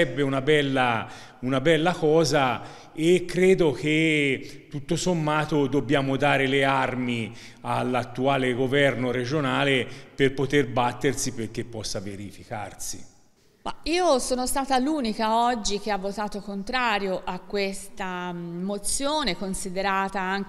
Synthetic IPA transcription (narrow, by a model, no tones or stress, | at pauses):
ɛbːeunabɛlːa | unabɛlːakɔːza | ekːɾeːd̪ok̟et̪ːut̪ːosomːaːt̪od̪obːjaːmod̪aːɾelearmi | alːat̪ːuaːleɡovɛrnoɾed͡ʒonaːleperpot̪erbat̪ːersiperk̟ːepːɔsːaveɾifika̰rsḭ | ma̰iːosoːnost̪aːt̪aluːnikaɔd͡ʒːik̟eavːot̪aːt̪okont̪ɾaːɾjoʔakːwest̪amot̪sːjoːnekonsid̪eɾaːt̪aaŋ